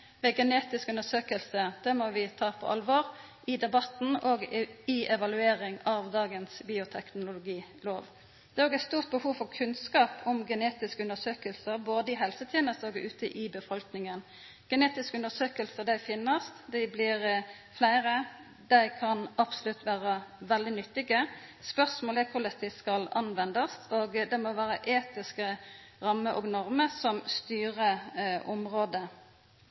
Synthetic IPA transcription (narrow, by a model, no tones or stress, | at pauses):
ʋɛːɡɛneːt̪ɪskʉnəsøːkəlsəd̪̥ɛmɔʋɪt̪ʰɑːpʰɔ̰ʔɑlʋɔːɾ | ʔɪd̪ɛbɑt̪n̩oɡɪʔɛʋɑlʉeːɾɪŋɑʋd̪ɑːɡənsbiːʊt̪ʰɛknʊlʊlʊɡiːloːʋ | d̪ɛːoːɡæɪt̪st̪uːʁt̪̚bəhuːʋfɔʁkʰʉnskɑːpʰʊmɡɛneːt̪ɪskəʉnəsøːkəlsəɾboːd̪əɪɦɛlsət̪ʰjɛːnəst̪oːɡʉ̰ːt̪əʔɪbəfɔlknɪŋən | ɡ̥ɛneːt̪ɪskəʉnd̪əsøːkəlsəʁd̪æɪfɪnːəst̪d̪æɪblɪʁ | flæɪʁə | d̪æɪkʰɑnɑpsʊlʉt̪ːʋæːʁəʋɛld̪ɪnʏt̪ːɪɡəspœʁsmoːlɛkʰʊʁlɛst̪ɪskɑlɑnʋɛnd̪ɑsʰoːɡd̪ɛmoʋæːʁəʔeːt̪ɪskə | ʁɑmːəʔo̰ːɡnɔʁməsɔmst̪yːʁəʔʊmʁoːd̪ə